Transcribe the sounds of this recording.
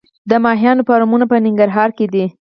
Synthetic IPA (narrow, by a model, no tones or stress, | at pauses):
d̪əmɑɦijɑnopɑɾɑmunapənɪŋɡaɾɦɑɾked̪i